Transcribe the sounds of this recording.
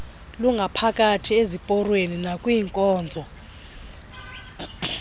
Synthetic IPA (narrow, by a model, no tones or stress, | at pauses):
luŋɡʱapʰakʼatʰiezipʼɔrweninakʼwiːŋkʼɔːnd͡zʱɔ